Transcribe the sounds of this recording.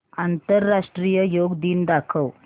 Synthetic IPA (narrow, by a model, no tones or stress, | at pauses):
ant̪ɐɾːaːʂʈɾiːjɐjoːɡd̪ind̪aːkʰɐw